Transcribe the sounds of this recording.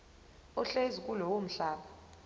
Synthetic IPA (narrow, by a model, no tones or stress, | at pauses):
ɔɬezikʼulɔwom̩ɬaːɓa